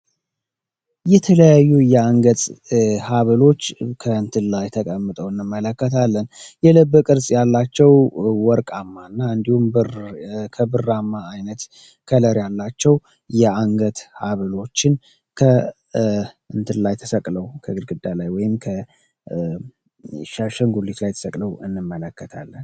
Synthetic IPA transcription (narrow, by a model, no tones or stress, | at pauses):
jɛt̪ʰələjajːujɛaŋɡət̪ʼhaβəlo̞t͡ʃːkʰəɨnt̪ʰɨnlajt̪ʰəkʼəmːɨt̪ʼəwɨnːɨmːələkːət̪ʰalːənjɛlɨbːɨkʼɨɾsʼjalːat͡ʃːɛwwɔɾkʼamːaɨnːaɨnd̪ihumbɨkʰəbɨrːamːaːjnət̪ | kʰələɾjalːat͡ʃːɛw | jɛaŋɡət̪haβɨlo̞t͡ʃːɪn | kʰə | ɨnt̪ʰɨnlajt̪ʰəsəkʼləwkʰəɡɨlɡɨd̪alajwɔjɪmkʰə | ʃaʃəŋɡulːit̪lajt̪ʰə̥səkʼləwɨnːɨmːələkːət̪ʰa̰lːən